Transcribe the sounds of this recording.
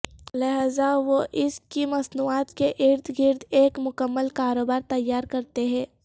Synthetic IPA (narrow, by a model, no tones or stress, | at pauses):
lɐɦaːzaʋoʔɪskimɐsnuːaːt̪keʔɪɾd̪ʰʱɡɪɾd̪ʰeːkmʊkəmːəlkaːɾoːbaːɾt̪ɐjːaːɾkɐɾt̪eɦɛ̃ː